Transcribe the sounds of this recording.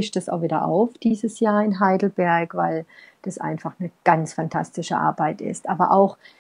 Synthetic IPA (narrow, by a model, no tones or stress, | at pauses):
ɪçtd̥asa̰ʊxviːdɐ̰ʔa̰ʊfd̥iːzəsjaːɐɪnɦaɪdl̩bɛɐkvaɪld̥asʔa̰ɪnfaχnəɡ̥ant͡sfantʰa̰stɪʃəʔa̰ɐbaɪtɪ̰stʔaːbɐʔaʊx